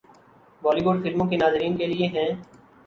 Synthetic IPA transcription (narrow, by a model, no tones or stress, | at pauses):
bɔːliʋʊɖfɪlmõkenaːzɾiːnkelieɦɛ̃ː